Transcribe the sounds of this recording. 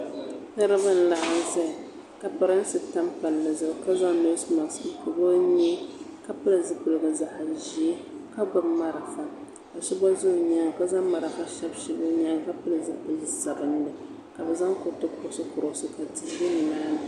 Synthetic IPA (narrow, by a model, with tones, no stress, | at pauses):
nɨ˦ɾɨ˦bɨ˦n̩˦la˨ʔa˦zɛ˦˨ | ka˨pɨ˨ɾɨ˦n̩˦sɨ˨ta˦mpa˨lːɨ˨zɨ˨bka˦za˦ŋno˦sma˨sɨ˦pʊ˨bo˦ɲɛ˦ka˨pɨ˦lɨ˨zɨ˦ku˨lɨ˨ɡɨ˨za˨ha˨ʒi˨e˦ka˦ɡa˨bma˦ɾa˨fa˨ | ka˨ʃɛ˦ba˦zo˦˨ɲa˦ŋ˨ka˦za˦ŋma˨ɾa˨fa˦ʃɛ˦bʃɛ˦ba˦ɲa˦ŋ˦ka˦pɨ˦lɨ˨zɨ˦˨za˨bɨ˨n˦nɨ˨ | ka˨bɛ˨za˦ŋkʊ˦tːɨ˦kʊ˦˨˦sɨ˦kʊ˨ɾʊ˨˦sɨ˦ka˨di˨˦be˦nɨ˨naː˦nɨ˨